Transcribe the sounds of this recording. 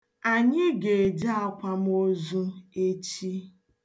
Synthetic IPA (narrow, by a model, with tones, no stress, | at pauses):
a˨ɲɪ˦ɡe˨d͡ʒa˦a˦kʷa˦m̩˦o˦zu˦e˦t͡ʃi˦